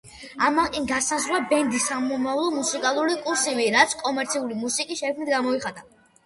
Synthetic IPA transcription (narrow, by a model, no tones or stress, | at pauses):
amakʼinɡasazɾwabɛnd̪isamɔmavlˠɔmusikʼalˠuɾikʼuɾsiviɾat̪sʰkʼɔmɛɾt̪sʰiulimusikʼisʃɛkʰmnit̪̚ɡamɔiχad̪a